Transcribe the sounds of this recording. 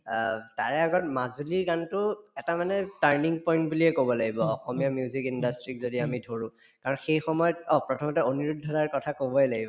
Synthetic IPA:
ta̰ɹɛaɡɔt̚mazuliɹɡantʊɛtamanɛtaɹniŋpɔj̃nt̚buliɛkobɔlaɡibɔːxɔmijamjuzikindastɹikzodiamidʱoɹũ | kaɹɔnxejxɔmɔjɔtɔpɹɔtʰɔmɔtɛoniɹudʱːɔdaɹkɔtʰakobɔɛlaɡibɔ

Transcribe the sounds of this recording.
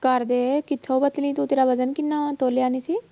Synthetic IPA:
kɐɾd̪ekɪt̪ʰːobɐt̪lĩt̪ũt̪eːɾaʋɐzənkɪnːaːt̪oːljaːnisi

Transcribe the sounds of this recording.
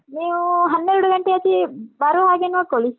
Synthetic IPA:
neːuɦɐnːeɾuɽuɡɐɳʈiɐt͡ʃibɐɾuɦaːɡenɐkːoli

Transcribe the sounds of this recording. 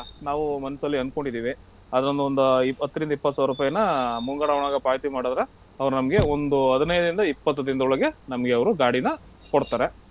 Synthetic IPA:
naːʋumɐnɐsɐlːiɐnko̞ɳɖid̪iːʋi | ɐd̪ɐɾond̪uond̪uiɐt̪ːɐɾind̪ɐipːɐt̪ːsaːʋɾuːpaːjɐnɐmuŋɡaːɽaʋɐɳaːɡɐpaːjt̪imaːɽod̪ɐɾe | ɐʋɐɾunɐmɐɡe̞ond̪uɦɐd̪ɐnɐjɐd̪ɐɾind̪ɐipːɐt̪ːɐd̪ind̪ɐɔɭɐɡe̞nɐmɐɡe̞ɐʋɐɾuɡaːɽinɐ | koɽt̪aːɾe̞

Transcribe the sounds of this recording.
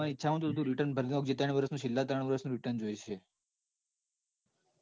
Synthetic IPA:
aniːtːʃʰaɦə̃t̪od̪od̪ũɾiʈəɾnbʱəɾnioɡd͡ʒit̪aɳ̃ʋəɾəsnũʃɪlːat̪əɾəɳ̃ʋəɾəsnũɾɪʈəɾnd͡ʒojt͡ʃʰe

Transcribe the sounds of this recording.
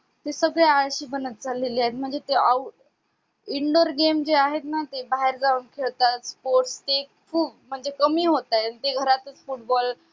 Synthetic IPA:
t̪esəɡɭeaɭɕiːbənət̪̚d͡zaleliːaɦet̪̚m̤əɳd͡zet̪ea | iɳɖəɾɡemd͡ʑeaɦet̪nat̪ebaɦeɾd͡zauːnkʰeɭt̪at̪spoɾʈst̪e | fum̤əɳd͡zekəmiːɦot̪ant̪eɡʱəɾat̪ət͡sfuʈ̚bɔl

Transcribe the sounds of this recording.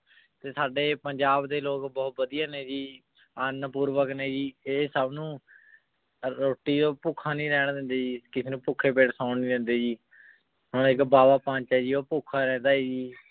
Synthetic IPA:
t̪eːsaːɖeːpəɲd͡ʒaːbd̪eːloːkbɔːt̪̚bəd̪ijaːneːd͡ʒiː | ənpuːɾʋəkneːd͡ʒiːeːsəbnũː | ɾoːʈːiːd̪oːpuːkʰaːnĩːɾɛːɳd̪ɛ̃ːnd̪eːd͡ʒiːkɪseːnũːpʊkʰːeːp̬eːʈsãːɳnĩːd̪ɛ̃ːnd̪eːd͡ʒiː | ɦoɳɪkbaːbaːpãːnt͡ʃɛd͡ʒiːoːpukʰaːɾɛ̃ːnd̪aːiːd͡ʒiː

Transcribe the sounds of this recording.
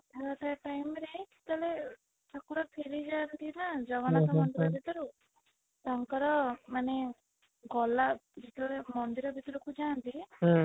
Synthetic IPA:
aɾat̪aʈajmɾed͡ʒi̥t̪ale | t̪akuɾɔpʰeɾid͡ʒant̪inad͡ʒɔʋanɔt̪ɔmɔnt̪ɾɔd͡ʒit̪ɔɾu | t̪aŋkɔɾɔmane | ɡɔlad͡ʒit̪ɔlemɔnd̪iɾɔbʱit̪ɾɔkud͡ʒaːnt̪i

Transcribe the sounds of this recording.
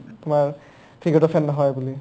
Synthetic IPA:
tumaɹ | pʰiɡɔtɔpʰɛnːɔɦɔjbuli

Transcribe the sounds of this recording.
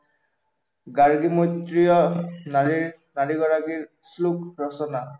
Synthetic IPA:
ɡaɹɡimɔjt̪ɹijɔni | naɾiɡɔɹakiɹ | slukɹɔsɔna

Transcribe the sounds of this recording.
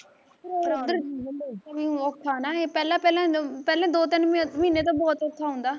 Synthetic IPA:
ɾod̪əɾiaʋiɔt̪ʰːaːnaːeːpɛːlãːpɛːlãːpɛːlãːd̪oːt̪ɪnmĩːneːt̪õːbɔːt̪ot̪ʰːaːɦʊ̃nd̪aː

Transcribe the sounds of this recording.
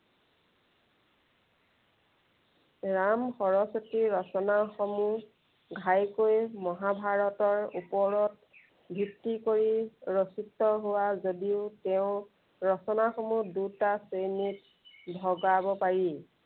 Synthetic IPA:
ɹamxɔɹɔsotiɹɔsɔnaxɔmu | ɡʱajkojmɔɦabʱaɹɔtɔɹupɔɹɔt̚ | bʱitːikoɹiɹositːɔɦowazodiʊtɛʊ̃ | ɹɔsɔnaxɔmudutasejnit | bʱɔɡabɔpaɹi

